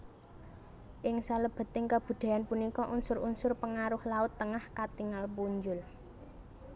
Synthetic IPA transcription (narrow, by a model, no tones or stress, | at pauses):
ʔɪŋsaləb̥a̤t̪ɪŋkab̥ṳd̪̥a̤janpunikɔʔunsʊɾunsʊrpəŋaɾʊhlaʊt̪ːəŋahkat̪iŋalpuɲd͡ʒʊl